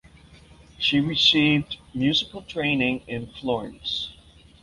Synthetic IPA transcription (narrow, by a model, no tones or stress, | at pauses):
ʃiɹɨsivdmjʉzɨkl̩ˠtʰɹ̥ẽɪ̃nɪ̃ŋɪ̃nflɔɹɨ̃ns